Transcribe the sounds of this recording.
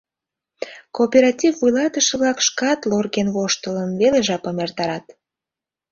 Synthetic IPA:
kopʲeɾɑtʲivːujlɑt̪əʃə̆βlɑkʃkɑt̪lorɣenβoʃt̪ələnβeleʒɑpəmert̪ɑɾɑt̪

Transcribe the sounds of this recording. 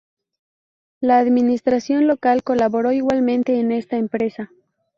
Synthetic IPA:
laːðminist̪ɾasjo̞nlo̞kalko̞laβo̞ɾo̞iɣwalmẽ̞nt̪e̞ːne̞st̪aempɾe̞sa

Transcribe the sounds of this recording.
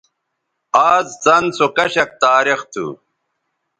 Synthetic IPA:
aːzt͡sɐnsokɐɕɐk̚t̪aːɾixt̪ʰṵ

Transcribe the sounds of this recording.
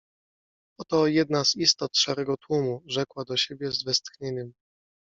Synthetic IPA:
ɔt̪ɔjɛd̪̚nazist̪ɔt̪ʂaɾɛɡɔt̪wumuʐɛkwad̪ɔɕebʲjɛzvɛst̪xɲeɲɛm

